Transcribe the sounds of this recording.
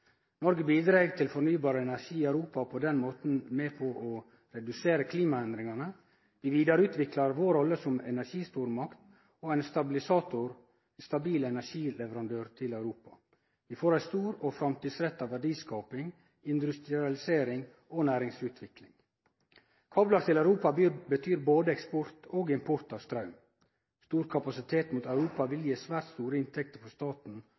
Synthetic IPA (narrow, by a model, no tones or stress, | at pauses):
nɔɾɡəbiːd̪ɾeːɡt̪ʰɪlfɔɾnyːbɑːɾəɛnæʂiːɪœʉɾuːpɑpʰod̪ɛnmoːt̪n̩meːpʰɔʔɔ | ɾɛd̪ʉseːɾəkʰliːmɑɛnd̪ɾɪŋɑnə | ʋɪʋiːd̪ɑɾʉːt̪ʋɪklɑɾʋoːɾɔlːəsɔmɛnæʂiːst̪uːɾmɑkt̪ | oːæɪnst̪ɑbɪlɪsɑːt̪ʊɾ | st̪ɑbiːlɛnæʂiːlɛʋəɾɑnd̪øːɾt̪ʰɪlɑʉɾuːpɑ | ʋɪfoːɾæɪst̪uːɾoːfɾɑmt̪iːd̪sɾɛt̪ːɑːʋæɖiːskɑːpɪŋ | ɪnd̪ʉst̪ɾɪɑlɪseːɾɪŋ | oːnæːɾɪŋsʉːt̪ʰʋɪklɪŋ | kʰɑːblɑɾt̪ʰɪlɑʉɾuːpɑbət̪ʰyːɾboːd̪əɛkspɔɾt̪ʰoːɡɪmpʰɔɾt̪ɑːʋst̪ɾɑʉm | st̪uːɾkʰɑpɑsɪt̪ʰeːt̪muːt̪ɑʉɾuːpɑʋɪljiːsʋæːɾt̪st̪uːɾəɪnt̪ʰɛk̚t̪əfɔst̪ɑːt̪n̩